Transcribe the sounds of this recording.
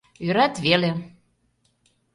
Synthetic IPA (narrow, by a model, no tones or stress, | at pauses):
yɾæt̪βele